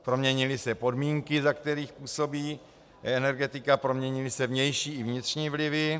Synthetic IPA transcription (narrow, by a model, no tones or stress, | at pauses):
pɾo̞mɲɛɲɪlɪsɛpo̞dmiːŋkɪzak̚t̪ɛɾiːxpuːso̞biː | ɛnɛɾɡɛt̪ɪkapɾo̞mɲɛɲɪlɪsɛvɲɛjʃiːɪvɲɪt̪r̥ɲiːvlɪvɪ